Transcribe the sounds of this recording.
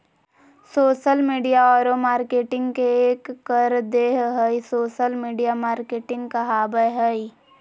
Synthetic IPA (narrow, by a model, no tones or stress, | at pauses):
soːʃəlmiːɖijaɔːɾomaːɾkeːʈɪ̃ŋɡkeeːkːəɾd̪eːɦɦəisoːʃəlmiːɖijamaːɾkeːʈɪ̃ŋɡkaɦaːbəjɦəi